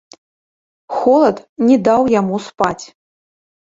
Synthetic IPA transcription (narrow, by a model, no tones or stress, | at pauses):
xɔlˠɐt̪nʲɛd̪awjamuspat͡sʲ